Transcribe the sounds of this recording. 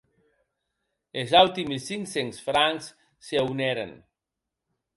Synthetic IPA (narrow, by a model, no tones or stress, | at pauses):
ezalt̪imisiŋsensfɾaŋs | seawnɛɾḛn